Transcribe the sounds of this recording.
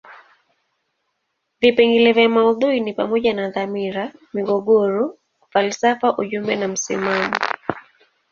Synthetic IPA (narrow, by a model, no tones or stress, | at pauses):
vipɛŋɡilɛvjamauðuinipamɔʄanaðamiɾamiɡɔɠɔɾɔ | falsafaʔuʄumbɛnam̩sḭmamɔ